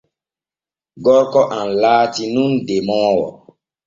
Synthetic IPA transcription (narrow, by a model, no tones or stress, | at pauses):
ɡɔɾkɔʔãnlaːtinũndemɔːwɔ̰